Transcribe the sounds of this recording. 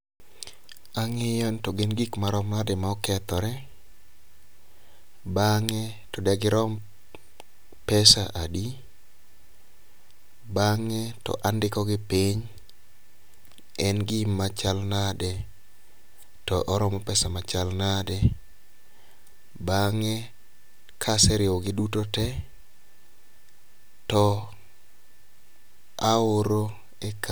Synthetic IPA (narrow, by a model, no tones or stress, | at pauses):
aŋɪjɔntɔɡɪnɡikmaɾɔmnadɛmaɔkɛt̪ɔɾɛ | baŋɛ | tɔdɛɡɪɾɔm | pɛsaʔadi | baŋɛtɔ̰ʔandɪkɔɡɪpiɲ | ɛnɡɪmat͡ʃalnadɛ | tɔʔɔɾɔmɔpɛsamat͡ʃalnadɛ | baŋɛ | kʰasɛɾɪoɡɪdutotɛ | tɔ | aoɾo | ek